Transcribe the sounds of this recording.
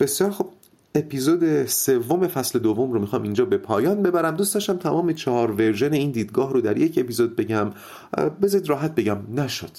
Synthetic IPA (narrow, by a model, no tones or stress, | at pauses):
b̥e̞sjɒːɾxob̚ | epʰiːzoːd̪e̞se̞vːo̞me̞fæsle̞d̪ovːo̞mɾomixɒːmind͡ʒɒːbe̞pʰɒːjɒːnbe̞bæɾæmd̪uːst̪ɒʃt̪æmt̪ʰæmɒːmet͡ʃʰɒhɒːɾve̞ɾʒe̞ne̞iːnd̪iːd̪ɡɒːɦɾod̪æɾje̞cʰe̞piːzod̪̚be̞ɟæm | bezɒid̪ɾɒːɦæt̪̚be̞ɟæmnæʃod̪̥